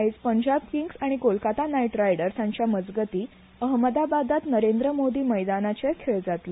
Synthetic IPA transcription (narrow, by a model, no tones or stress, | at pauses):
it͡spəɲd͡ʑabkiŋɡsaɽ̃ikolkat̪anajʈɾajɽəɾsãɲt͡ɕjaməd͡zɡət̪iː | əɦməd̪abad̪at̪nəɾend̪ɾəmod̪iːməjd̪anat͡ɕeɾkʰeɭd͡zat̪le